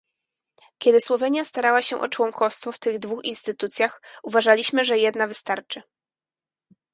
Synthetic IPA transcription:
kʲɛd̪ɘswɔvɛɲjast̪aɾawaɕɛʔɔ̰t͡ʂwɔŋkʰɔfst̪fɔft̪ɘɣd̪vuxinst̪ɘt̪ut̪sʲjaxuvaʐalʲiɕmɘʐɛjɛd̪navɘst̪aɾt͡ʂɘ

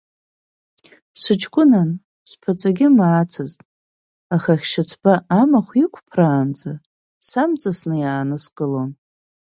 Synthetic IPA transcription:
sʷɨt͡ʃʰkʷʊnan | spʰat͡sʼaɡʲɪmaːt͡sʰɨztʼ | aχaχʲʃat͡sʰbaːmaχʷikʷʰʼpʰraːnd͡za | samt͡sʼasnɨjaːnɨskʼɨlon

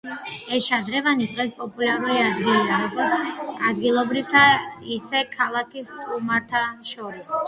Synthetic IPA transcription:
ɛsʃad̪ɾɛvanid̪ʁɛspʼɔpʼulaɾuliad̪ɡiliaɾɔɡɔɾt̪sʰad̪ɡilˠɔbɾivt̪ʰaisɛkʰalˠakʰiskʼumaɾt̪ʰaʃɔɾis

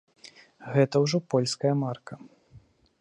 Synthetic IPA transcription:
ɣɛt̪ɐwʐɔpɔlʲskɐjɐmarkɐ

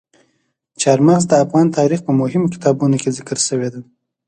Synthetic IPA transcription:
t͡ʃɑɾmaɣzd̪əafɣɑnt̪ɑɾixpəmʊɦɪmokʲɪ̥t̪ɑbunokezɪkəɾʃəwed̪a

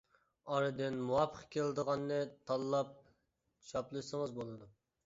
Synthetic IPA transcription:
ɑɾɨd̪ɪnmuwɑpʰːəqkʲʰelˠd̪əʁɑnːɨt̪ʰɑlˠːɑp̚ | ʃɑplˠɨʃsɨŋɨzbolˠɨd̪u

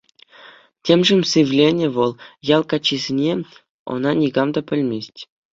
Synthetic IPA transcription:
tʲemʐɘ̆mʲsɨʋʲlʲenʲɘ̆ʋɤ̆lˠjɑlˠkɑt͡ɕːizʲenʲe | o̰nɑnʲiɡɑmd̪ɑpʲɘ̆lʲmʲesʲtʲ

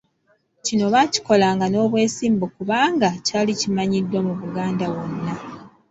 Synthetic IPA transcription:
cino̞βaci̥ko̞laːŋɡano̞ːβwe̞ːsiːmbukuβaːŋɡacaːlicimaɲidːwemuβuɡaːndawo̞nːa

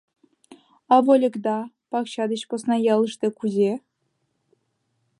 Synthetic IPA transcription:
ɑvolʲɤ̆kd̪ɑ | pɑkɕɑd̪ɘ̆ɕposnɑjɑlˠɤ̆ʂt̪ʲĕkuzʲe

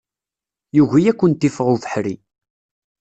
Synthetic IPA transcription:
juʝijækʷːənt̪ːifʁuθə̥ħɾḭ

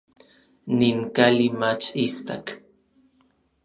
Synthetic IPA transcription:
niŋkalimat͡ʃist̪a̰k

